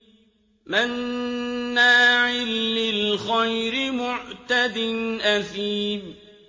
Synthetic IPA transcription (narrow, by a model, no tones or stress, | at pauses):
manː | aːʕɪlːɪlxajɾɪmʊʕt̪ad̪ɪnʔaθiːb